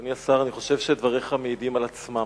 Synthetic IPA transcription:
niasaʁaniχo̞ʃe̞vʃed̪vaʁiχameidimalat͡sma

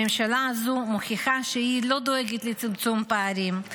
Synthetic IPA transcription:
emʃalazumoχiχaʃehilo̞d̪o̞eɡet̪let͡simt͡sumpaːɾim

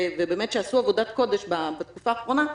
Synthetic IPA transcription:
vebeːmet̪ʃeasuavo̞d̪at̪ko̞d̪eʃbabet̪̚kufaːχʁo̞na

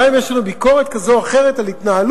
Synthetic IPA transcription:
imjeʃlanubiko̞ʁet̪̚kazoaχe̞ʁet̪alhit̪naɦal

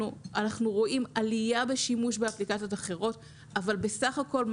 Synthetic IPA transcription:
uʔanaχnuʁo̞ʔimalijabe̞ʃimuʃbeaplikat͡sijo̞taχe̞ʁo̞t | avalbe̞saχako̞lm

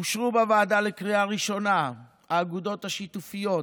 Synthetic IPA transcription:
ʃʁubavaːdalekʁiaʁiʃo̞na | aːɡud̪o̞t̪haʃit̪ufijo̞

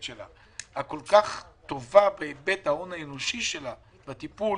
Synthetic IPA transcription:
ʃela̰ | hako̞lkaχt̪o̞vabeebet̪hao̞naeno̞ʃiʃe̞la | bat̪ipu

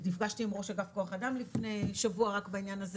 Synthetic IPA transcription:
nifɡaʃtiːmʁo̞ʃaɡafkoaχadamlifnejʃavuaʁakbainjanaz

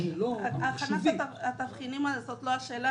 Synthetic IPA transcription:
iloaaχanaʃaat̪avχinimasot̪loaʃeːla

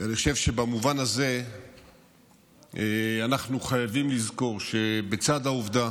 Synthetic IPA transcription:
anixoʃe̞vʃe̞bamuvanaze̞ | eanaχnuχajavimlizko̞ʁʃe̞bet͡sad̪auvd̪a

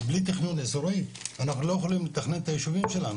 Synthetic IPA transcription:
blit̪̬iχnunesoɾoianaχnulojexolimlet̪aχnent̪ajiʃuvimʃelanu

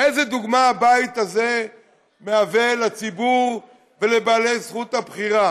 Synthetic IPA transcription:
ezed̪uɡmaabait̪aze | meavelat͡sibuʁ | ve̞lebaːle̞jsχut̪habχiʁa

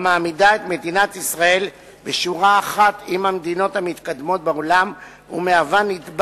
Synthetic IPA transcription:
maːmidae̞t̪me̞d̪inat̪isʁae̞l | beʃuʁaːχat̪imhamed̪ino̞t̪hamit̪kad̪mo̞t̪̚beolam | ṵmeavanit̪b

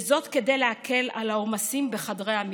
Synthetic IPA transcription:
zo̞t̪ke̞d̪ejleakʰe̞la̰laomasimbeχadʁejam

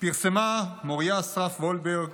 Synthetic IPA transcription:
piʁsemamoʁjasʁafvolbeʁɡ

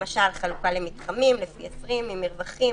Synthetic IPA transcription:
aʃalχalukalemit̪χamimlefiet͡sʁimːimiʁvaχi

